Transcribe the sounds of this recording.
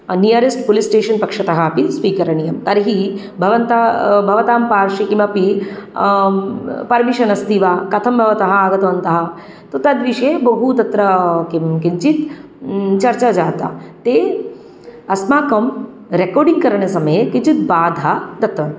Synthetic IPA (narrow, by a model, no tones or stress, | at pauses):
nijɐɾesʈpolisʈeːʃɐnpɐkʂɐt̪ɐɦɐːpisʋiːkɐɾɐɳ̃ijɐmt̪ɐɾɦi | bʱɐʋɐnt̪abʱɐʋɐt̪aːmpaːɾʃikimɐpi | pɐɾmiʃɐnɐst̪iʋaːkɐt̪ʰɐmbʱɐʋɐt̪ɐɦɐaːɡɐt̪ɐʋɐnt̪ɐɦɐ | t̪ot̪ɐd̪ʋiʃebɐɦut̪ɐt̪ɾɐkimkiɲt͡ʃit̪ | t͡ʃɐɾt͡ʃad͡ʒaːt̪a̰t̪eː | ɐsmaːkɐm | ɾekoːɾɖiŋɡkɐɾɐɳ̃ɐsɐmɐjkit͡ʃit̪̚baːd̪ʱɐd̪ɐt̪ʋɐn